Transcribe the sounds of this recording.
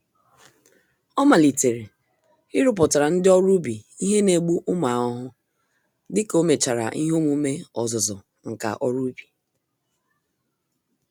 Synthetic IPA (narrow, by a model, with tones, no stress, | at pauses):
ɔ˦ma˨li˨te˨ɾe˨ | ɪ˦ɾʊ˨pʊ˨ta˨ɾa˨n̩˦dɪ˦ɔ˦ɾu˦bi˨i˦ɦe˦ne˨ɡ͡bu˦ʔʊ˦ma˨ɔ˦ɦʊ˦ | dɪ˦ko˦me˨t͡ʃa˨ɾa̰˨ʔi˦ɦo˦mu˦me˦ɔ˨zʊ˨zɔ˨ | ŋ̩˨ka̰˨ʔɔ˦ɾu˦bi̥˨